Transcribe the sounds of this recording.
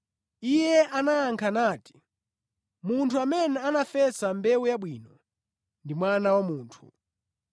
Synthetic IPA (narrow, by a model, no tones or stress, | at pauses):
ijɛʔanaːŋkʰanaːti̥ | muntʰuamɛnɛanafɛsambɛujaɓwiːnɔ | ndimwanawamuːntʰṵ